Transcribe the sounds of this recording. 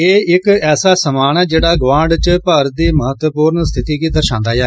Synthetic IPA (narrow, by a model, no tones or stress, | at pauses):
eːɪkɛːsaːsəmaːnɛːd͡ʒeːɽaːɡʋãːɳɖt͡ʃpəɾd̪iːməɦət̪wəpuːɾnst̪ʰɪt̪iːkiːd̪əɾʃãːnd̪aːjɛː